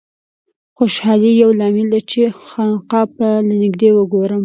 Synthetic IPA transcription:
xoʃhɑlijawlɑmɪld̪aɾt͡ʃexɑnqɑp̚alanɪɡd̪ewəɡoɾəm

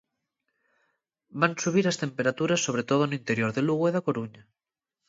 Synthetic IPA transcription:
bansuβ̞iɾast̪empeɾat̪uɾasːoβ̞ɾet̪oð̞onoĩnt̪eɾjoɾðeluɣ̞oeðakoɾuɲa

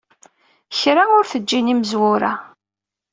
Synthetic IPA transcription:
çɾaʊɾθəd͡ʒːiniməzwʊɾa

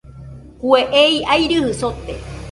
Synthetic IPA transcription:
kueʔeiajɾɨhɨsot̪e

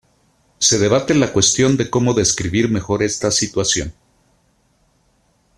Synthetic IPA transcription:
se̞ð̞e̞β̞at̪enlakwe̞st̪jo̞nd̪e̞ko̞mo̞ðe̞skɾiβiɾme̞xo̞ɾe̞st̪asit̪wasjo̞̰n

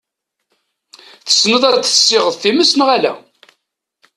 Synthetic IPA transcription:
θə̥snəðˤæt͡sːə̥sːɪʁəðˤθiməsnʁælæ̰

